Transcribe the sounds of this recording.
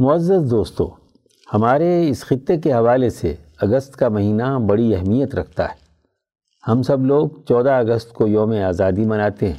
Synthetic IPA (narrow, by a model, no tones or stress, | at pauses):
mʊəzːəzd̪oːst̪õ̰ː | hɐmaːɾeɪsxɪt̪ːek̬eɦɐʋaːlesḛɐɡəst̪kamɐɦiːnabɐɽiɐɦmijət̪ɾɐk̚ʰt̪a̰ɦɛ | hɐmsɐbloːɡ̚t͡ʃɔːd̪aɐɡəst̪kojõːmẽaːzaːd̪imɐnaːt̪eɦɛ̰̃ː